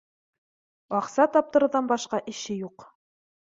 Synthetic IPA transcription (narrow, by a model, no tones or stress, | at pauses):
ɑqsɑt̪ɑp̚t̪ɤ̆ɾɤ̆ðɑnbɑʃqɑʔɘ̆ʃɘjuq